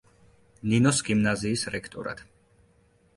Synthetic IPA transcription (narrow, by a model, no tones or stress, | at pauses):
ninɔsɡimnaziːsɾɛkʰt̪ʼɔ̰ɾa̰t̪